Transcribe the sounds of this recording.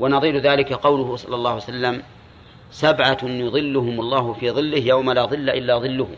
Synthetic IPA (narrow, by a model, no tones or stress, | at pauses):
wanɑðˤiːlʊðaːlɪkaqɑwlʊhʊsˤɑ̰lːɑlˤːɑːhasalːam | sabʕajʊðˤɨlːʊɦʊmlˤːɑːɦʊfiːðˤɨlːɪhjawmalaːðˤɨlːaʔɪlːaːðˤɨlːʊhʊ̰m